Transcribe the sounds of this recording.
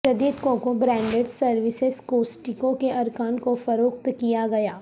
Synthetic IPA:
ʃɐd̪iːd̪kõkobɾɛ̃ːɳɖeɖsɐɾʋɪsɪzkoːsʈɪkõkeʔɐɾkaːnkofɐɾoːk̚t̪kijaɡɐjaː

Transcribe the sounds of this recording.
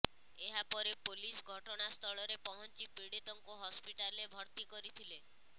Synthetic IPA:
eɦapɔɾepolisɡʱɔʈɔɽ̃ast̪ʰɔɭɔɾepɔɦɔnt͡ʃipiɽet̪ɔŋkuɦɔspiʈalebʱɔɾt̪ikɔɾit̪ʰile

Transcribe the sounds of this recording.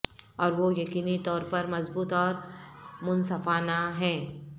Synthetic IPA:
ɔːɾʋojɐkiːnit̪ɔːɾpɐɾmɐzbuːt̪ɔːɾmʊnsɐfaːnaɦɛ̃ː

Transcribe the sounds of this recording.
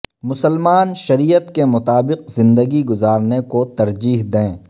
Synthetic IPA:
mʊsəlmaːnʃɐɾijət̪kemʊt̪aːbɪqzɪ̃nd̪əɡiɡʊzaːɾnekot̪ɐɾd͡ʒiːɦd̪ẽː

